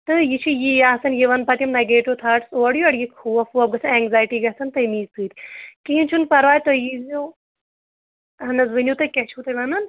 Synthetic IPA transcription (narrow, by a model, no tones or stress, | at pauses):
t̪ɨjit͡ʃʰijijaːsɐnjiʋɐnpɐt̪ʲimnɐɡeːʈut̪ʰaːʈsoːɽjuɐɽjikʰuːɐfuɐb̚ɡɐsʰɐnɛːŋɡzaːjʈiːɡɐsʰɐnt̪ɐjmiːsɨːt̪ʲikiint͡ʃʰunpɐɾʋaːjt̪ojizo | ɦɐnɐzʋɨnʲjut̪ɨkɛt͡ʃʰuːt̪ɐʋɐnɐn